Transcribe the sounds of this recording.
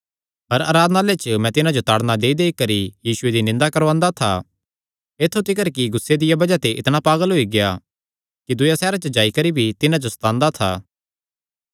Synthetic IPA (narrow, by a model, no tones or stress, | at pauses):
ɦɐɾa̰ːɾaːd̪nalet͡ʃəmɛ̃t̪ɪnãd͡ʒot̪aːɽnad̪eːid̪eːikɐɾijiːsʊed̪inɪ̃nd̪akɐɾʋãːnd̪at̪ʰa̰ | eːt̪ʰːot̪ɪkəɾkiɡʊsːed̪ɪjabɐd͡ʒat̪eʔɪt̪ñapaːɡəlɦoiɡɪja | kid̪ʊjasɛːɾat͡ʃəd͡ʒaːikɐɾibʱit̪ɪnãd͡ʒost̪ãːnd̪at̪ʰa̰ː